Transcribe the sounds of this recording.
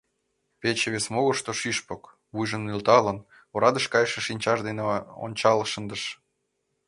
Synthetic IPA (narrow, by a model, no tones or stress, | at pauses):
pet͡ɕeβesmoɣə̆ʃt̪oʃiʃpok | βujʒə̆nːylt̪ɑlə̆n | oɾɑd̪əʃkɑjʃĕʃinʲt͡ɕɑʒd̪eneo̰nʲt͡ɕɑləʃə̆nd̪əʃ